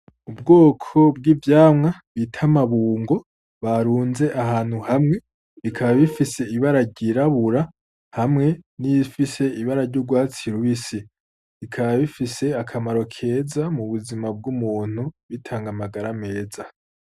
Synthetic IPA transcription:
ubɡo̞ːkʰo̞bɡiːvjaːmŋaβitʰamaβuːŋɡo̞ | βaɾuːnze̞ʔaɦaːn̥huhamŋe̞ | βikʰaβaβifise̞iβaɾaɾɟiɾaβuɾa | hamŋe̞nifise̞iβaɾaɾɟuɡwaːt͡siɾuisi | ikʰaβaβifise̞akʰamaɾo̞kʰe̞ːzamuβuzimab̚ɡumuːn̥huβitʰaːŋɡamaɡaɾame̞ːza

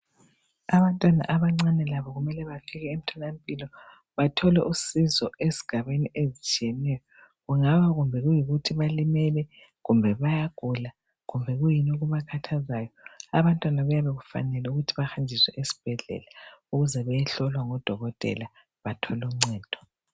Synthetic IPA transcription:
aβantʼwana̰ʔaβaŋ͡ǀanɛlaβɔɣumɛlɛβafiɣɛem̩tʰɔnam̩pʼilɔ | βatʰɔlɛʔusizɔezi̥ɡ̥ʱaβeniʔezit͡ʃʼiɛnɛjɔ | ɣuŋaβaɣumbʱɛɣujiɣutʰiβalimɛlɛ | ɣumbʱɛβajaɡ̥ʱula | ɣumbʱɛɣujinuɣuβakʰatʰazaːjɔaβantʼwanaβujaβɛɣufa̰nɛlɛuɣutʰiβaxand͡ʒʱiswɛʔesi̥b̥ʱɛɮɛ̰lauɣuzɛβɛjɛɬɔlwaŋɔd̥ʱɔɣɔtʼɛ̰la | βatʰɔluŋ͡ǀɛːd̥ʱɔ̥

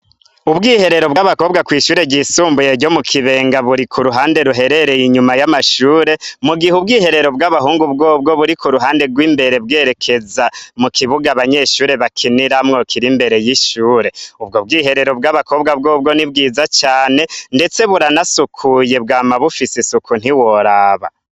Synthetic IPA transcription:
ubɡiːhe̞ɾe̞ɾo̞bɡaβako̞ːbɡakwiːʃuːɾe̞ɟisuːmbujeɾɟo̞mukʰiβe̞ːŋɡaβuɾikʰuɾuɦaːnde̞ɾuɦe̞ɾe̞ɾe̞jiɲumajamaʃuːɾe̞muɡihubɡiːhe̞ɾe̞ɾo̞b̚ɡaβaɦuːŋɡubɡo̞ːbɡo̞βuɾikuɾuɦaːnde̞ɡwiːmbe̞ɾe̞b̚ɡe̞ɾe̞kʰe̞zamukʰiβuɡaβaɲe̞ːʃuːɾe̞βakʰiniɾamŋo̞kʰiɾimbe̞ɾe̞jiʃuːɾe̞ub̚ɡobɡiːɦe̞ɾe̞ɾo̞bɡaβakʰo̞ːb̚ɡabɡo̞ːb̚ɡo̞nib̚ɡiːzat͡ʃaːne̞nde̞t͡se̞βuɾanasukʰuje̞bɡaːmaβufisisukʰun̥iwo̞ɾaːβa̰

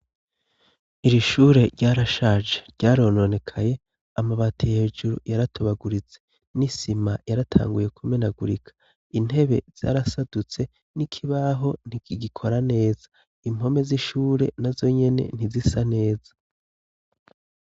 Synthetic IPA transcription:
iɾiʃuːɾe̞ɾɟaːɾaʃaːʒe̥ɾɟaːɾo̞no̞ne̞kʰaje̞ | amaβatʰihe̞ːʒuɾṵjaɾatoβaɡuɾit͡se̞̥ | nisimajaɾatʰa̰ːŋɡuje̞kʰumenaɡuɾikʰḁ | in̥he̞βe̞̰z̥a̰ːɾasadut͡se̞ | nikʰiβaɦo̞n̥iiɡikʰo̞ɾane̞ːz̥a | im̥ho̞me̞ziʃuːɾe̞nazo̞ɲe̞ne̞̰n̥izisane̞ːzḁ

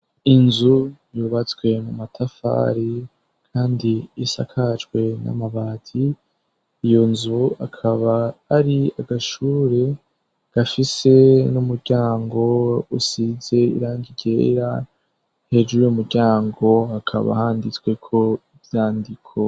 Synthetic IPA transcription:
inzujuβat͡swe̞mumatʰafa̰ːɾi | kʰaːndiːsa̰kʰat͡ʃwe̞na̰maβaːtʰiː | jo̞nzuakʰaβaːɾiaɡaʃuːɾe̞ | ɡ̥afise̞numuɾɟaːŋɡo̞usize̞ḭɾaːɲɡiɟe̞̰ːɾa | he̞d͡ʒuujomuɾɟaːŋɡo̞akʰa̰βa̰haːndit͡sɡwe̞kʰo̞ivjaːndikʰo

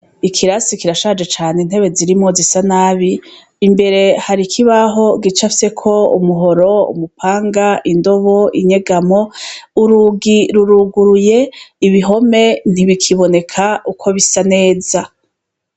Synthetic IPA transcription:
ikʰiɾasikiɾaʃad͡ʒe̞t͡ʃaːnen̥he̞βe̞ziɾimŋo̞zisanaːβiː | mbe̞ɾe̞haɾikʰiβaɦo̞ɡit͡ʃafse̞kʰo̞ṵmuɦo̞ɾo̞ṵmupʰaːŋɡaʔindo̞βo̞iɲe̞ɡamo̞uɾuɡiɾuɾuɡuɾuje̞iβiɦo̞me̞n̥iβikʰiβo̞ne̞kʰaʔukʰo̞βisane̞ːza

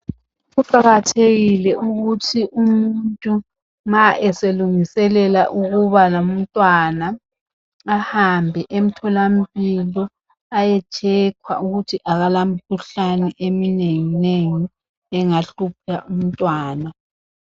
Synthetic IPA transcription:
ɣuǃaɣatʰeɣilɛʔuɣutʰiʔumuntʼu | ŋaʔɛseluŋisɛlɛlaʔuɣuβalam̩tʼwanaː | hambʱɛʔem̩tʰɔlam̩pʼilɔ | ajɛt͡ʃʰʼɛkʰwa̰ʔuɣutʰiʔaɣalamikʰuɬanɛʔemineŋineŋi | ɛŋaɬup̚ʰaʔum̩tʼwaːna

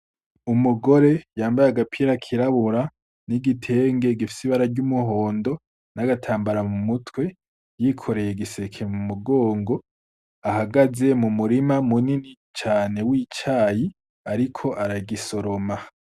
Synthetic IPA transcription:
umuɡo̞ɾe̞jaːmbajaɡapʰiːɾakʰiɾaβuɾa | niɡitʰe̞ːŋɡe̞ɡifi̥siβaɾaɾɟumuɦo̞ːndo̞ | naɡatʰaːmbaɾamumutwe̞ | jiːkʰo̞ɾe̞je̞ɡise̞kʰe̞mumuɡo̞ːŋɡo̞ | aɦaɡaze̞mumuɾimamunini | t͡ʃaːne̞wiːt͡ʃaːji | aɾikʰo̞ʔaɾaɡiso̞ɾo̞ma

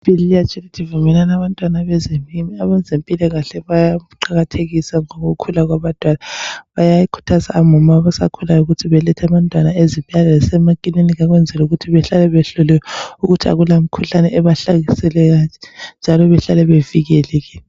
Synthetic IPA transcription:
pilijat͡ʃʼɛlitʰʼivumɛlanaβantʼwanaβɛzemimiaβand͡zʱempʼilɛɣaɬɛβajauǃaɣatʰeɣisaŋoɣukʰulaɣwaβatʼwalaβajaikʰu̥tʰaza̰ːmɔmaβasa̰kʰulajuɣutʰiβɛlɛtʰaβantʼwanaeziβʼialaasɛmakʼininiɣaɣwɛnd͡zʱɛluɣutʰiβɛɬalɛβɛɬɔlɛjɔuɣutʰia̰ɣulamikʰuɬanɛʔɛβaɬaɣisɛlɛɣand͡ʒʱalɔβɛɬalɛβeviɣɛlɛɣɛːn

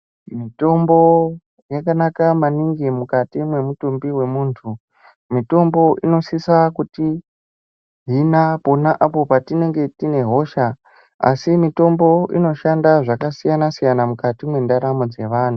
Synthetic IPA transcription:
mito̞mbo̞ | jakanakamaniŋɡimukatimwe̞mutumbiwe̞muːntʰu | mito̞mbo̞ʔino̞sisakuti | ɦinapo̞naʔapo̞patine̞ŋɡe̞tine̞ɦo̞ʃa | a̰simito̞mbo̞ʔino̞ʃandaʐakasijanasijanamukatimwe̞ndaɾamod͡ze̞ʋaːn̤u

